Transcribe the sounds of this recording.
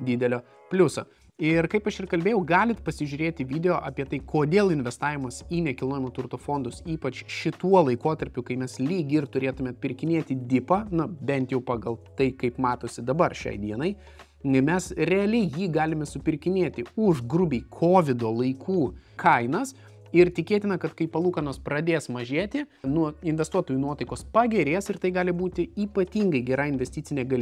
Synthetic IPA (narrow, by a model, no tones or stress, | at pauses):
d̪ʲɪd̪ʲɛlʲoː | pʲlʲʊso̰ː | ɪrkɐɪpɐʃɪrkɐlʲbʲeːjɛʊɡɑːlʲɪt̪pɐsʲɪʒʲʊːɾʲeːt̪ʲɪʋʲiːd̪ʲɛjoːʔɐpʲiɛt̪ɐɪkʰoːd̪ʲeːlˠɪnʲʋʲɛst̪ɑːʋʲɪmɐsiːnʲɛkʲɪlˠnoːjʲɛmoːt̪ʊrt̪oːfoːnd̪ʊsiːpɐt͡ʃʃʲɪt̪uɔlˠɐɪkoːt̪ɐɾʲpʲʊkɐɪmʲɛslʲiːɡʲɪɪrt̪ʊɾʲeːt̪ʊmʲɛɐt̪ʲpʲɪɾʲkʲɪnʲeːt̪ʲɪd̪ʲɪpɐnʊbʲɛnʲt̪jɛʊpɑːɡɐlˠt̪ɐɪkɐɪpmɑːt̪oːsʲɪd̪ɐbɐrʃʲɛ̰ɪd̪ʲiɛnɐɪ | mʲɛsrʲɛɐlʲɛɪjiːɡɑːlʲɪmʲɛsʊpʲɪrʲkʲɪnʲeːt̪ʲɪʊʒɡrʊbʲɛɪkʰoːʋʲɪd̪oːlˠɐɪkʰuːkʰɐɪnɐs | ɪrt̪ʲɪkʲeːt̪ʲɪnɐkɐt̪kɐɪpɐlˠuːkɐnoːspɾɐd̪ʲeːsmɐʒʲeːt̪ʲɪ | nuɔɪnʲʋʲɛst̪uɔt̪oːjunuɔt̪ɐɪkoːspɑɡʲɛɾʲeːsɪrt̪ɐɪɡɑːlʲɪbuːt̪ʲɪiːpɐt̪ʲiːŋɡɐɪɡʲɛɾɑːɪnʲʋʲɛsʲt̪ʲiːtt͡sʲɪnʲeːɡɐlʲ